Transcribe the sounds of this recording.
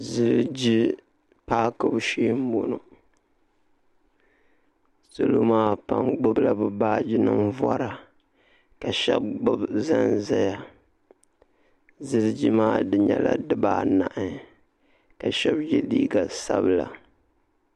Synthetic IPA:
zɨ˦ɾd͡ʒi˦ | paː˦kɨ˦bʃeː˦m˦bo˨no˨ | so˦lo˦maː˦pa˨ŋɡ͡bʊ˦bla˨bɨ˨baː˦d͡ʒi˦nɨ˦mvɔ˦ɾa˨ | ka˨ʃɛ˦b̚ɡ͡bʊ˦bza˦nza˦ja˨ | zɨ˦ɾd͡ʒi˦maː˦dɨ˨ɲɛ˦˨la̰˦dɨ˦baː˦na˨ʔɨ˦ | ka˨ʃɛ˦bjɛ˦liː˦ɡa˨sa˦bɨ˨la˨

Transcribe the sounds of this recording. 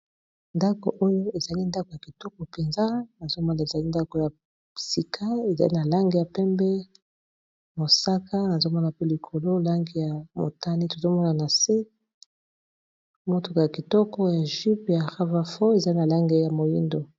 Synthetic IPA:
nda˦ko̰˨ʔo˦jo˦e˨za˨li˦nda˦ko˨ja˨ki˨tɔ˦kɔ˨pe˨nza˦na˨zo˦mɔ˦na˨e˨za˨li˦nda˦ko˨ja˨ | si˨kʰa˦e˨za̰˨lḭ˦na˨la˦ŋɡe˨ja˨pɛ˦mbɛ˦ | mo˨sa˦kʰa˦na˨zo˦mɔ˦na˨pe˦li˨kʰo˨lo˦la˦ŋɡe˨ja˨mo̰˨ta˦ni˦to˨zo˦mɔ˦na˨na˨se˦ | mo˦to˨ka˨ja˨ki˨tɔ˦kɔ˦ja˨ʒi˦pja˨ʁa˦va˨fo˦e˨za˦i˦na˨la˦ŋɡe˦ja˨mo˨jḭ˦ndo˨

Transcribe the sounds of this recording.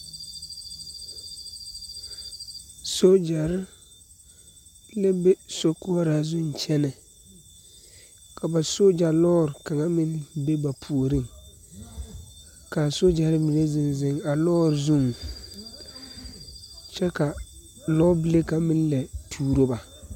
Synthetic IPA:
so˦d͡ʒa˨ɾɪ˦ | la˦be˦so˦kʊ˦ɾa˨zʊ˦n˨t͡ʃɛ˦nɛ˨ | kʰa˨ba˨so˦d͡ʒa˨lɔː˦ɾɪ˨ka˨ŋa˦mɪ˦nbe˦ba˨pʰu˨o˨ɾɪ˦˨ŋ | ka˨so˦d͡ʒa˨ɾɪ˦mi˨ne˦zɪ˨nzɪ˦ŋa˨lɔː˦ɾɪ˨zʊ˦˨ŋ | t͡ʃɛ˦ka˨ | lɔː˦bɪ˦le˦ka˨mɪ˦n˦lɛ˨tʰuː˦ɾo˦ba˨

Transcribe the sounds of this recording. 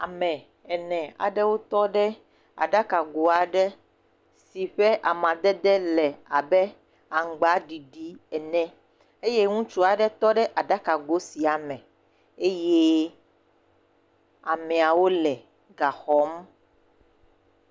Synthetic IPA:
a̰˨mɛ̃˨ | ɛ˨nɛ̃˨a̰˨ɖɛ˦wo˦t̪ɔ˦ɖɛ˦ | a̰˨ɖa˦ka˨ɡo˨a˨ɖɛ˦ | si˨ɸɛ˦ʔa˨mã˨d̪ɛ˦d̪ɛ˦lɛ˨a˨bɛ˦ | a˨ŋ˨ɡ͡ba˨˦ɖi˨ɖi˦ɛ˨nɛ̃˦ | e˦je˦ŋũ˦t͡ʃu˦a˨ɖɛ˦t̪ɔ˦ɖɛ˦ʔa˨ɖa˦ka˨ɡo˨˦si˨a˨mɛ̃˨ | e˦je˦ | a˨mɛ̃˨a˨wo˦lɛ˨ | ɡa˨xɔ˦m

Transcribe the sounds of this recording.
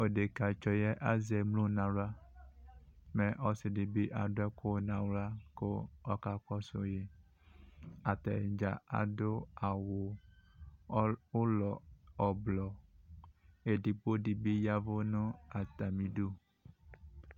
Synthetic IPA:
o˨ɖe˨ka˨t͡ʃɔ˨jɛ˦ʔa˦ze˨mlo˦nã˨wla˦ | mẽ˨ʔɔ˦si˨di˨bi˦ʔa˨ɖo˦ɛ˦ko˦nã˨wla˦ko̰˦ɔ˦ka˨kɔ˦so˨je˦ | a˨t̪a˨d͡ʒa˨a̰˨do˦a˨wo˨ | o˦lɔ˨ɔ˨blɔ˨ | e˨di˨po˦di˨bi˦ja˦vo˦nũ˦a˨t̪a˨mĩ˨ɖu˦

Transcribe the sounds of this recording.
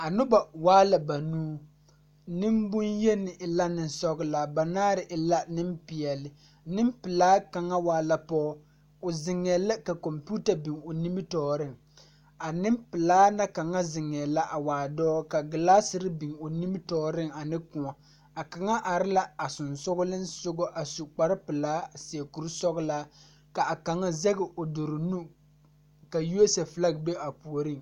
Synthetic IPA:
a˨nʊ˦ba˨waː˦la˨ba˨nuː˦ | nɪ˦mbʊ˦nje˦nɪ˨ʔɪ˨la˦nɪ˨nsɔ˦ɡɪ˦la˨ba˨naː˦ɾɪ˨ʔɪ˨la˦nɪ˦mpɪ˨ɛ˨lɪ˨ | nɪ˦mpɪ˨laː˦ka˨ŋa˦waː˦la˨pɔː˦ | ʊ˨zɪ˨ŋːɛ˨la˦ka˨kɔ˨mpu˦ta˨bi˨ŋʊ˨ni˦mɪ˦tɔː˨ɾɪ˦˨ŋ | a˨nɪ˦mpɪ˨laː˦na˦ka˨ŋa˦zɪ˨ŋɛ˨la˦ʔa˨waː˨dɔː˦ka˨ɡɪ˨laː˦sɪ˨ɾɪ˦bi˨ŋo˨ni˦mɪ˦tɔː˨ɾɪ˦ŋa˨nɪ˦kʊ˨ŋa˨ | a˨ka˨ŋa˦ʔa˨ɾɪ˦la˦a˨sʊ˨nsʊ˦ɣʊ˦lɪ˦n˦sʊ˦ɡʊ˦ʔa˨su˨k͡pa˦ɾɪ˦pɨ˨laː˦si˨e˨ku˨ɾsɔ˦ɡʊ˦la˦ | ka˨a˨ka˨ŋa˦zɛ˦ɡɪ˨ʔo˨do˨ɾʊ˨nu˦ | ka˨ju˦e˦sɛ˨fla˦ɡ̚be˦a˨pu˨o˨ɾɪ˦˨ŋ

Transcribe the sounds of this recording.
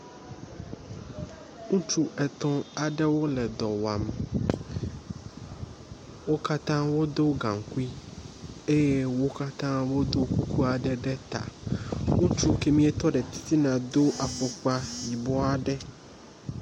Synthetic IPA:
ŋũ˦t͡ʃu˦ʔɛ˨t̪ɔ̃˦a˨ɖɛ˦wo˦lɛ˨d̪ɔ˨wa˨m | wo˦ka˦t̪ã˦wo˦d̪o˦ɡã˨ŋ˨ku˦i˦ | e˦je˦wo˦ka˦t̪ã˦wo˦d̪o˦ku˦ku˦a˨ɖɛ˦ɖɛ˦t̪a̰˨ŋũ˦t͡ʃu˦ke˦mĩ˦ɛ˦t̪ɔ˦ɖɛ˨t̪i̥˦t̪i˦nã˨d̪o˦ʔa˨ɸɔ˨k͡pa˦ji˨bɔ˦a˨ɖɛ˦

